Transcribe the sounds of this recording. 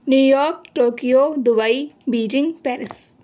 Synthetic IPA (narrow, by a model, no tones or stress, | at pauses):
njujɔɾk̚ʈokijod̪ubajbid͡ʒiŋpɛɾis